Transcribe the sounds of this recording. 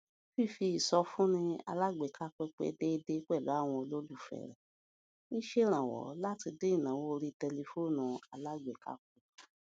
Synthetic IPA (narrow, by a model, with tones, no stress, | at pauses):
fi˦˨fi˧i˨sɔ˧fũ˦nĩ˧a̰˧la˦ɡ͡be˨ka˦k͡pɛ˦k͡pɛ̰˦de˦˧˦de˦k͡pɛ˦˨lu˨˦a˦˨w̃ɔ̃˧lo˦lu˦˨fɛ̰˨ɾɛ̰˨ | nĩ˦ʃe˦ɾ̃ã˨wɔ̰˨˦la˦ti˧de˦i˦˨nã˨wo˦˧ɾi˧tɛ˧le˧fo˦˨nã˨a˧la˦˨ɡ͡be˨ka̰˦k͡pɛ˦